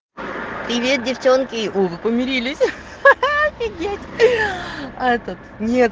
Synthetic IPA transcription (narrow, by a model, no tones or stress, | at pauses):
pɾʲɪvʲet̪̚dʲɪft͡ɕonkʲɪʔovɨpəmʲɪɾʲilʲɪsʲ | ɪɡʲetʲ | aɛt̪ət̪nʲet̪